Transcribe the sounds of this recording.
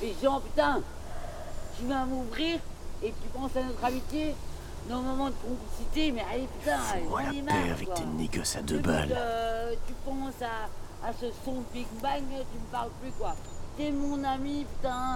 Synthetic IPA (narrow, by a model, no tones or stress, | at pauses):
leʒɑ̃pyt̪ɛ̃ | t̪yvãmuvʁiːʁet̪ypɑ̃sanɔt̪χamit̪je | nɔʁmalmɑ̃d̪əkɔ̃plisit̪emɛalepyt̪ɛ̃eaaemaɛa̰vɛkwaɛnːikɔsad̪əba̰løt̪ypɑ̃saː | səsɔ̃əpikbaŋt̪yməpaʁlplykwat̪ɛmɔ̃namipyt̪ɛ̃